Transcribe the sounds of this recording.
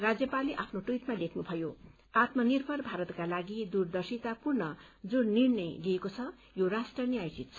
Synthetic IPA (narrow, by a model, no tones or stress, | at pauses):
rad͡zjʌpaliʔapʰnoʈujt̪malekʰnubʱʌjo | at̪mʌnirbʱʌrbʱaɾʌt̪kalaɡid̪urd̪ʌrsit̪apurnʌd͡zunnirnʌjliekot͡sʰʌ | joɾasʈrʌniajsit̪̚t͡sʰʌ